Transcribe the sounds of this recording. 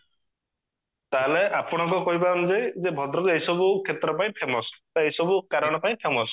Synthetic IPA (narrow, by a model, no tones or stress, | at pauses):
t̪aɦleʔapɔɽ̃ɔŋkɔkɔɦip̬amd͡ʒed͡ʒebʱɔd̪ɾɔkuejsɔbukʰet̪ɾɔpaĩpʰemɔst̪ejsɔbukaɾɔɽ̃ɔpaĩpʰemɔs